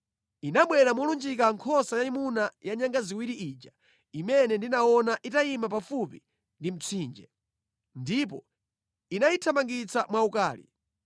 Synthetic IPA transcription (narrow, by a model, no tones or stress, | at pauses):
inaɓwɛɾamɔlund͡ʒik̬aŋkʰɔsajaimunajaɲaŋɡaziwiɾiʔiːd͡ʒa | imɛnɛndinaɔnaʔitaimapafupi | ndim̩t͡sʰiːnd͡ʒɛ | ndip̬ɔ | inaitʰamaŋɡit͡samwaukaːlḭ